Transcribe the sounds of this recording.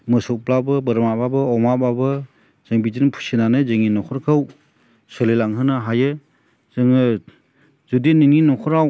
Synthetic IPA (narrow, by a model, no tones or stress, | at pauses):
mɯsɔk̚plabɯbɯɾmababɯɔmababɯ | z̥eŋbid͡ʒinpʰusinanɯzeŋinɔkʰɔɾkʰɯw | sɯlilaŋɦɯnɯɦajɯ | z̥ɯŋɯ | zudiniŋinɔkʰɔɾaw